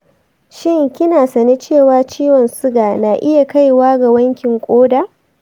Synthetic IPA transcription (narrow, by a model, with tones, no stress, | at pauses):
ʃɪ˦ŋkʲɪ˦naː˨sɐ˨ni˦t͡ʃeː˦˨waː˦t͡ʃiː˦wɔ˨nsʊ˦ɡaː˨naː˨ʔɪ˦ja˨ka˦jwaː˦ɡa˨wɐ˦ŋkʲɪ˨ŋkʷʼoː˦da˨